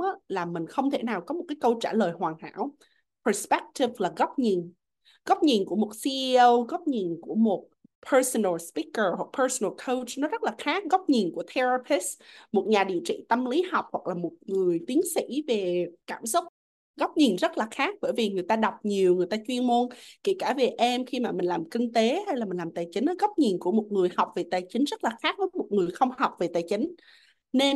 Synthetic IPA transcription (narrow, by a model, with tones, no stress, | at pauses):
ʔa˧˦laː˨˩mï˨˩ŋ̟xə˧wŋ͡mt̪ʰe˧˩naː˨˩wkɔ˨˦mo˨˩t̚kaː˨˦kə˧wt͡ɕaː˧˩ləː˨˩jhwaː˨˩ŋha̰ː˧˥w | pʰə˨˩spɛ˦˥k̚ti˧˩vlaː˨˩ɣa˦˥wk͡p̚ɲi˨˩n | ɣa˦˥wk͡p̚ɲi˨˩nku˧˩əmo˨˩t̚si˧ʔi˧ʔə˧wɣa˦˥k͡p̚ɲi˨˩nku˧˩əmo˨˩t̚ | pʰəː˧sə˧nə˨˩lspi˦˥kə˨˩hwa˨˩k̚pʰəː˧sə˨nə˨˩lkʰə˧wt͡ɕnɔ˨˦zə˦˥t̚laː˨˩xaː˦˥k̚ɣa˦˥wk͡p̚ɲi˨˩nku˧˩ət̪ʰɛ˧ɹa˧pʰi˦˥smo˨˩t̚ɲaː˨˩ɗḭ˧˨t͡ɕḭ˧˨t̪ə˧mli˨˦ha˨˩wk͡p̚hwa˨˩k̚laː˨˩mo˨˩t̚ŋɨ˨˩əjt̪i˨˦ənsḭ˧˥ve˨˩kaː˧˩msʊ˦˥k͡p̚ | ɣa˦˥wk͡p̚ɲi˨˩nzə˦˥t̚laː˨˩xaː˦˥k̚ɓə̰ː˧˩jvi˨˩ŋɨ˨˩əjt̪aː˧ɗa˨˩wk͡p̚ɲi˨˩əwŋɨ˨˩əjt̪aː˧t͡ɕwi˧ənmo˧nkḛ˧˩kaː˧˩ve˨˩ʔɛ˧mxi˧maː˨˩mï̟˨˩laː˨˩mkï˧ŋ̟t̪e˨˦ɦa˧jlaː˨˩mï̟˨˩laː˨˩t̪aː˨˩jt͡ɕï˨˦ŋ̟ːə˨˦ɣa˦˥wk͡p̚ɲi˨˩nku˧˩əmo˨˩t̚ŋɨ˨˩əjha˨˩wk͡p̚ve˨˩t̪aː˨˩jt͡ɕï˨˦ŋ̟zə˦˥t̚laː˨˩xaː˦˥k̚və˨˦jmo˨˩t̚ŋɨ˨˩əjxə˧wŋ͡mha˨˩wk͡p̚ve˨˩t̪aː˨˩jt͡ɕï˨˦ŋ | ne˧